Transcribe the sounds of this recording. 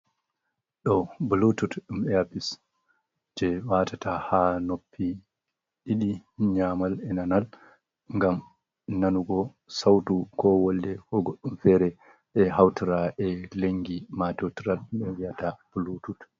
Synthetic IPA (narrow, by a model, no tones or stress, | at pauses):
ɗɔbulututɗumɛapis | d͡ʒɛwatatahanopʰːi | ɗiɗiɲamalɛnanal | ŋɡam | nanuɡɔ | sawtukɔwɔldɛkɔɡɔɗːumfɛːɾɛ | ɓɛhawtiɾaʔɛleŋɡimatɛwtiɾalumɛwijatab̥ulutut